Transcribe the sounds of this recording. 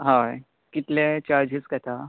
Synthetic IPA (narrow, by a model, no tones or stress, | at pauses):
ɦã | kit̪let͡ɕaɾd͡ʑiskət̪ʰa